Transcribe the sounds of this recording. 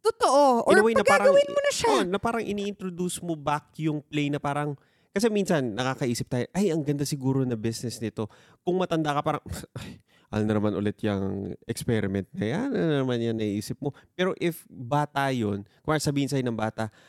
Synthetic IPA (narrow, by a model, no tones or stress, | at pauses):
t̪ot̪oʔoʔowajnɐpɡaːɾɐɐwɪnmonɐʃanɐpaːɾɐŋʔɪniʔɪnt̪ɾod̪usmobakjʊŋplɛjnɐpaːɾɐŋ | kɐsɛminsɐnːɐkaːkɐʔiːsɪp̪̚aːjoʔɐjɐŋɡɐnd̪asɪɡuːɾo̞nɐbɪsnɛsnɪt̪o̞ | kʊŋmɐt̪ɐnd̪akɐpaːɾɐŋʔaj | ʔa̰lnɐnɐmanʔʊlɛt̪jɐŋʔɛkspɛɾɪmɛnt̪̚nɐjanɐnɐnɐmanjɐŋnɐʔiʔiːsɪp̚mo̞pɛːɾo̞ʔɪfbaːt̪ajo̞nkʊŋʔasɐbiːhɪns̬aːjnɐŋbaːt̪ɐ